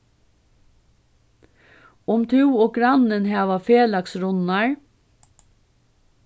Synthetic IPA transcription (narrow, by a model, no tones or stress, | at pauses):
ʊmt̪ʰʉːoːɡɾɑnənhæːʋɑfeːlɑksɾʊnɑɹ